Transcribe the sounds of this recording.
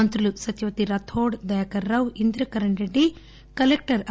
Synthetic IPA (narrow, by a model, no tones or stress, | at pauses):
ɐnt̪ɾulusɐt̪juʋɐt̪iɾɐt̪ʰoːɽd̪ɐjɐkɐɾːɐwind̪ɾɐkɐɾɐɳʈɾeɖːi | kɐlek̚ʈɐɾɐ